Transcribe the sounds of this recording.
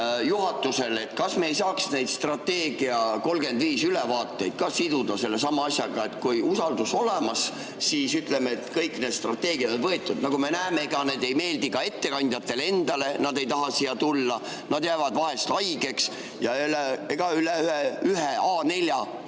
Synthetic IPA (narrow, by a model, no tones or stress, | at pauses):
juɦɑt̪ːˑuse̞let̪kɑsme̞ːjs̬ɑːksne̞jd̪st̪rɑt̪ːe̞ːɡ̥iɑko̞lɡe̞nd̪viːsylevɑːt̪ːe̞jd̪̥̚kɑsid̪̥ud̪̥ɑse̞lːe̞sɑmɑɑsʲjɑɡ̥ɑe̞t̪kujusɑld̪uso̞lemɑs | siːsyt̪ˑlemeːt̪kɤjkːˑned̪st̪rɑt̪ːe̞ːɡiɑd̪onvɤet̪ːˑud̪̥nɑɡume̞næːmeeɡ̥ɑne̞d̪̥e̞jme̞ːld̪ikɑe̞t̪ːe̞kɑnʲd̪̥ʲjɑt̪ːe̞lee̞nd̪̥ɑle̞nɑd̪e̞jt̪ɑɦɑsijɑt̪ulːɑ | nɑd̪̥jæːvɑd̪̥vɑɦe̞st̪ɑjɡ̥e̞ks | jɑeleeɡ̥ɑyleyeyɦeɑːne̞lʲjɑ